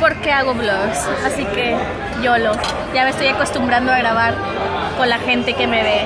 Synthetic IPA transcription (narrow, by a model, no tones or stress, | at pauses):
po̞ɾke̞aɣo̞βloɣsasike̞ | ʝo̞lo̞ | ʝamest̪o̞jako̞st̪umbɾand̪oaɣɾaβ̞aɾ | ko̞nlaxe̞nt̪e̞ke̞me̞βe